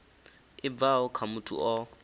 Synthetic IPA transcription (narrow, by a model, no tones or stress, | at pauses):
ɪb̪vaɔkʰamutʼṵʔɔ